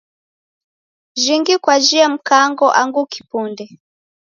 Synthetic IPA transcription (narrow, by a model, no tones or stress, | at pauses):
ʒiŋɡikwaʒiam̩kaŋɡɔʔaŋɡuki̥pundɛ